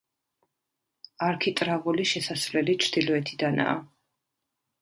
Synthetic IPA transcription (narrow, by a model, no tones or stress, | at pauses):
aɾkʰit̪ʼɾavuliʃɛsasvlɛlit͡ʃʰɾd̪̥ilɔɛt̪ʰid̪ana̰ː